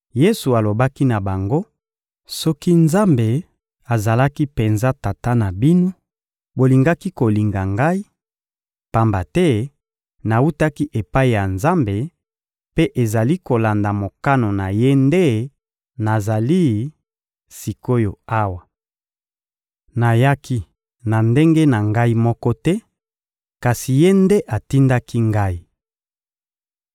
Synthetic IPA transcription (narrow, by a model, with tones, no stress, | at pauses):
je˦su˨a˨lo˨ba˦ki˦na˨ba˨ŋɡo˦ | sɔ˦ki˦nza˦mbe˨ | a˨za˨la˦ki˦pe˨nza˦ta˨ta˦na˨bi˦no˦ | bo˨li˨ŋɡa˦ki˦ko˨li˨ŋɡa˨ŋɡa˦i˦ | pa˨mba˨tɛ˦ | na˨u˦ta˦ki˦ʔe˨pa˦i˨ja˨nza˦mbe˨ | pe˦ʔe˨za˨li˦ko˨la˨nda˨mo˨ka˦no˨na˨je˦nde˦ | na˨za˨li˦ | si˨ko˦jo˨a˦wa˨ | na˨ja˦kʰi˦ | na˨nde˦ŋɡe˦na˨ŋɡa˦i˦mɔ˦kɔ˦tɛ˦ | ka˨si˨je˦nde˦ʔa˨ti˦nda˦ki˦ŋɡa˦i˨